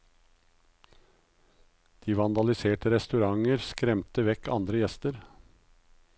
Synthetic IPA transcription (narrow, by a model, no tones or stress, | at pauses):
d̪̥iːʋɑnd̪ɑlɪseːʈəɾɛst̪ʉɾɑŋəɾskɾɛmt̪əʋɛkːɑnd̪ɾəjɛst̪əɾ